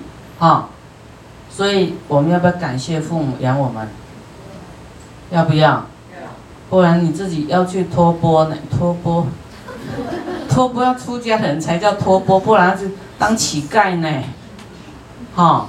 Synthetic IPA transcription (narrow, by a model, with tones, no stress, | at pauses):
ha˨˩ʊ | swɔ˧˥i˨˩wɔ˨˩mə˨˦njpka̰˨˩nɕjɛ˥˧fu˥˩mṵ˨˩ja˧˦ŋwɔ˨˩mə˨˦n | jɑ˥˩pu˧˥jɑ˥˩ʊ | hu˥˩ɻa˨˧˦nni˨˩t͡sɹ̩˥˩t͡ɕi˨˩jɑ˥˧ʊt͡ɕʰy˥˩t̪ʰɔ˥˦pwɔ˥ne˨˩t̪ʰwɔ˥pwɔ˥ | t̪ʰwɔ˥pwɔ˥ja˥˧˩ʊʈ͡ʂʰu˦˥t͡ɕja˥hə˨˩nt͡sʰa˧˥ɪt͡ɕjɑ˥˩ʊt̪ʰwɔ˥pwɔ˥pu˥˩ɻa˧˦na˥˧˥ | t̪a˥ŋt͡ɕʰi˨˦ka˥˨ɪne˨˩ | hɔ˥˩